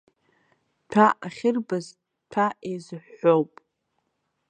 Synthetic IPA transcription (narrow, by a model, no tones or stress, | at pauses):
pʰaʔaχʲɪrbaz | pʰaʔejzɨħːowpʼ